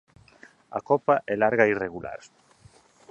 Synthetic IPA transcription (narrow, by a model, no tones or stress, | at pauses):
a̰kɔpaʔɛlaɾɣaireɣula̰ɾ